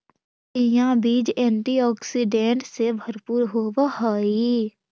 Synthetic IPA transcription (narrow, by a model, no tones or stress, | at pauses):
ɪjãbiːd͡ʒɛ̃ːɳʈiɔːksiɖẽːɳʈsebʱəɾpuːɾɦoːʋahaːi